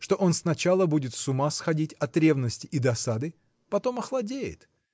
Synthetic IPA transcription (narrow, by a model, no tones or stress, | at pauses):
ʂt̪o̞ʔo̞nsnɐt͡ɕalˠəbudʲɪt̪sʊmasxɐdʲitʲɐt̪ɾʲe̞vnəsʲtʲɪʔɪd̪ɐsad̪ɨ | pɐt̪o̞mɐxlˠɐdʲejɪ̰t̪